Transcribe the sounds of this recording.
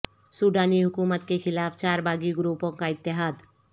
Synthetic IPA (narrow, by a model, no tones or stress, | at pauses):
suːɖaːniɦʊkuːmət̪kexʰɪlaːpʰt͡ʃaːɾbʱaːɡiɡɾuːpõkaɪt̪ːɪɦaːd̪